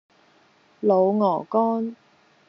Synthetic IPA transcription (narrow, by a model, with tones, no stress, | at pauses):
lo˨˧wŋɔː˨˩kɔː˥n